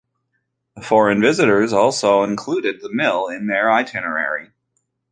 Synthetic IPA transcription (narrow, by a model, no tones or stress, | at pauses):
ðəfɔɹɨ̃nvɪzɨɾə˞zɔlˠsoʊə̃nkʰl̥uɾɨd̪̚ðəmɪlˠɪ̃nðə˞aɪtʰɪnə˞ɛ̰ɹi